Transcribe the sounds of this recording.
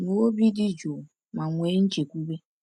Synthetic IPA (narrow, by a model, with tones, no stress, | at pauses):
no˨˦o˦bi˦dɪ˦d͡ʒo˨ | ma˨ŋʷe˨˦n̩˦t͡ʃe˨kʷu˦be˦